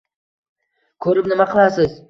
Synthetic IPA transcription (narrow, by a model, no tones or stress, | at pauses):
kʰɵɾɪpnɪmaqʰəlˠasɪz